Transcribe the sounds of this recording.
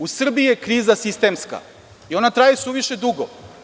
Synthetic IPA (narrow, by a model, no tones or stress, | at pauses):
usr̩biijekɾiːzasist̪e̞mska̰ | io̞nat̪ɾajesuʋiʃe̞d̪uɡo